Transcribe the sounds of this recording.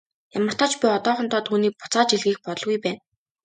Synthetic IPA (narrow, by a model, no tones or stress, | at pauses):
jamə̆r̥t̪ʰɔːt͡ɕpʲiɔt̪ɔːχɞnt̪ɔːt̪ʰuːniːk̚pʊ̥t͡saːt͡ɕiɮɣiːk̚pɔt̪ɞ̆ɮɣujpæːn